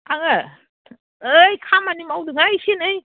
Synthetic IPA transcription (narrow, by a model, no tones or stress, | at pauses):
aŋɯ | ɯjkʰamanimawdɯŋajsinɯj